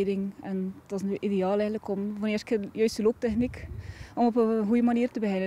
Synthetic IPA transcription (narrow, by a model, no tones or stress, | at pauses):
dɪŋɛnd̥ɔsyideaːlɛɣəntləkɔmvɔnɪːrskʰɪjœɥstəlop̚tɛxnikɔmɔpəɦujəmaniːrtəbəɦɛnə